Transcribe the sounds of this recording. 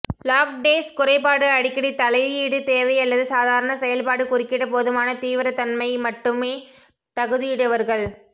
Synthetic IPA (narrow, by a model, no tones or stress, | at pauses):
laːk̚ɖeːskʊɾɐɪpaːɽɯɐɽɪkːɐɽit̪ɐlɐɪiːɽɯt̪eːʋɐɪɐlːɐðɯsaːðaːɾɐɳɐsɛjɐlpaːɽɯkʊrɪkːɪɽɐpoðɯmaːnɐt̪iːʋɪɾɐt̪ɐnmɐɪmɐʈːɯmeː | t̪ɐɣɯðɪjɪɽɯʋɐɾɣɐɭ